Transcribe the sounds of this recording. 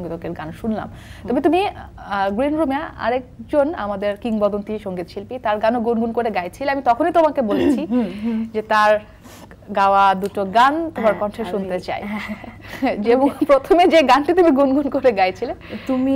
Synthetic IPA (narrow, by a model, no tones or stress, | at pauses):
ŋɡit̪okeɾɡanʃunla̰m | t̪ɔbet̪umiɡɾinɾomeaa̰ɾek̚d͡ʑona̰mad̪eɾkiŋbɔd̪ont̪iʃɔŋɡit̪ʃilpit̪aɾɡanoɡunɡunkoɾeɡajt͡ɕʰileamit̪ɔkʰonijt̪omakebolet͡ɕʰid͡ʑet̪aɾ | ɡaoad̪uʈoɡant̪omaɾkɔnʈʰeʃunt̪et͡ɕa̰j | eboŋpɾot̪ʰomed͡ʑeɡanʈit̪umiɡunɡunkoɾeɡajt͡ɕʰilet̪umi